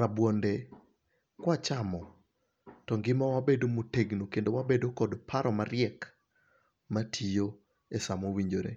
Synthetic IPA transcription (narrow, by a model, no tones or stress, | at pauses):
ɾabwonde | kwat͡ʃamɔ | tɔŋɡɪmawabedomoteɡnokendowabedokɔdpʰaɾɔmaɾɪɛk | matʰijo | esamowiɲd͡ʒoɾḛ